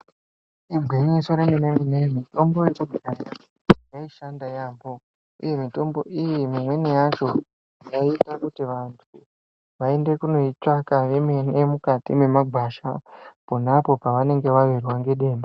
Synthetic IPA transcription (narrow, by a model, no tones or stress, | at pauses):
iɡʱwiɲiso̞ɾeneneminemito̞mbojet͡ʃudʱikara | jaiʃandajaːbo̞ | ṵje̞mito̞mbo̞ʔijimimwe̞nejat͡ʃo̞ | jaitakutiʋantʰu | ʋae̞nde̞kuno̞it͡ʃakaʋemenemukatḭme̞maɡʱwaʃa̰punapo̞paʋane̞ŋɡe̞ʋaʋirwaŋɡe̞ɗe̞ːnda